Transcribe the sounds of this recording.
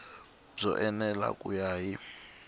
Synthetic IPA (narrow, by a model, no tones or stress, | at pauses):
zɔʔɛnɛla̰kʼujaːji